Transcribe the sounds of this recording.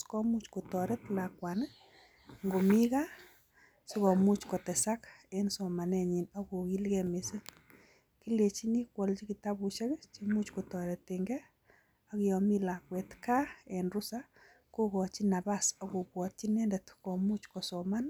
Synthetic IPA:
skɔ˦mu˦t͡ʃko˨tɔɾɛ˦tlakwa˨n | ŋɡo˨mi˦ka˦ | si˦kɔ˨mu˦t͡ʃkɔ˨tɛ˨sa˦kensɔ˨ma˨nɛ˦ɲi˨nɔ˦ko˨ki˦lɡɛ˨me˨sɪ˦ | ki˦le˨t͡ʃi˦ni˦kwɔ˨lt͡ʃi˦ki˨ta˦bu˨ʃe˦kt͡ʃimu˦t͡ʃko˨tɔ˨ɾɛ˨teŋɡɛ˦ | a˦kɪ˨ɔ˨mi˦la˨kwɛ˨tka˦enrʊ˦sa˦ | ko˦kɔ˨t͡ʃina˨basɔ˦ko˨pwɔ˨t̚t͡ʃi˦nɛ˦ndɛ˨tkɔ˨mu˦t͡ʃkɔ˨sɔ˨ma˦n

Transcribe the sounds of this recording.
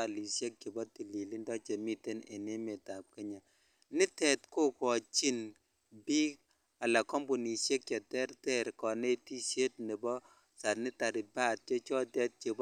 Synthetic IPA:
a˨li˨sje˦k̚t͡ʃe˨bɔ˦ti˨li˨li˦ndɔ˦t͡ʃe˨mi˦te˦nḛ˨ne˦me˨ta˨p̚kɛ˦ɲa˨ | nɪ˦tɛ˨tko˦kɔ˨t͡ʃi˦n | bi˦k̚ | a˨la˨kɔ˦mbu˨ni˨ʃe˦k̚t͡ʃɔ˨tɛ˦ɾtɛ˦˨ɾkɔ˨ne˦ti˦sje˦t̚ni˨bɔ˦ | sa˨nɪ˦ta˨ɾɪ˨ba˦t̚t͡ʃɔ˦t͡ʃɔ˦tɛ˦t̚t͡ʃe˨b

